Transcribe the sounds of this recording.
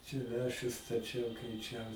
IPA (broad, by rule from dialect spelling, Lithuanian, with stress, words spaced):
t͡ʃʲɛ ˈlʲæːʃʲʊs stɐˈt͡ʃʲɛʊ kʲɛɪˈt͡ʃʲɛʊ